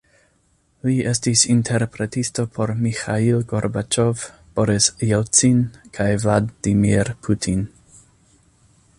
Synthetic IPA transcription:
liestisintʰeɾpɾetisto̞pʰoɾmixailɡoɾbat͡ʃovb̥oɾisjelt͡sinkʰajvladdimiɾpʰutʰin

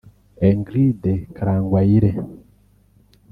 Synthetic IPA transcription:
eŋɡɾidekaɾaːŋɡwaiɾe

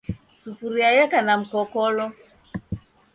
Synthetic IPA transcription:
sufuɾiajɛkanam̩kɔkɔlɔ

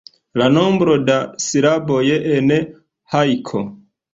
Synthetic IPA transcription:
lanombɾodasiɾabojeʔːne | hajkʰo̰

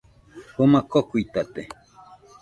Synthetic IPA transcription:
homakokujt̪at̪e

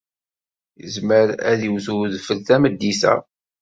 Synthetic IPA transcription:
jəzməɾæðiwθuðfəlθæməd̪ːisæ̰

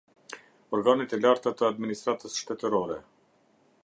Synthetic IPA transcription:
ɔɾɡanit̪ɛlaɾt̪at̪əad̪minist̪ɾat̪əsʃt̪ɛt̪əɾɔɾɛ

